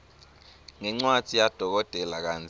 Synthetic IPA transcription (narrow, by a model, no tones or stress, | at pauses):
ŋɛŋ͡ǀwatʰijad̥ʱɔk̬ɔd̥ʱɛlak̬and͡zʱ